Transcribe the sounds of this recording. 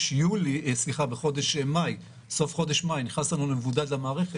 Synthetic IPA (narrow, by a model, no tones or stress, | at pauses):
ʃjulisliχabeχo̞d̪eʃmaj | so̞fχo̞d̪eʃmajniχnaslanulemvudadlamaːʁeχe